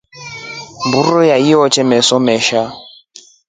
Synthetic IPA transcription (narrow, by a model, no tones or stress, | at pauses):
mburɔjaiɔt͡ʃʰɛmɛsɔmɛʃa